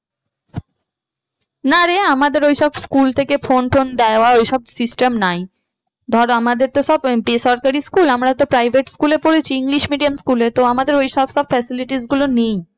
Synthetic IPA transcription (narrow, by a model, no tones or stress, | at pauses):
naɾeamad̪eɾojʃɔbskult̪ʰekefonpʰond̪ɛoaojʃɔbsisʈemnaj | d̪ʱɔɾamad̪eɾt̪oʃɔbpesɔɾkaɾiskulamɾat̪opɾajbʱeʈskulepoɾet͡ɕʰiiŋliʃmiɖiamskulet̪oamad̪eɾojʃɔbʃɔbfɛsiliʈisɡulonej